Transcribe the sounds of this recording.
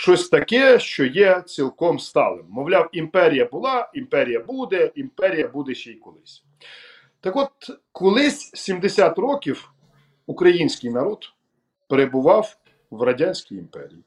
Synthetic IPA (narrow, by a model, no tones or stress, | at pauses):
ʃt͡ʃɔsʲt̪ɐkɛʃt͡ʃɔjɛt͡sʲilˠkɔmst̪ɑ̰lˠɪ̰mːɔʋlʲɑwimpɛɾʲijɐbʊlˠɑimpɛɾʲijɐbud̪ɛimpɛɾʲijɐbud̪ɛʃɛikɔlˠɪsʲ | t̪ɐkɔt̪̚kɔlˠɪsʲsʲimd̪esʲat̪rɔkʲiw | ukɾɐjinʲsʲkɪjnɐɾɔd̪ | peɾebʊʋɑw | wrɐdʲanʲsʲkijimpɛ̰ɾʲḭji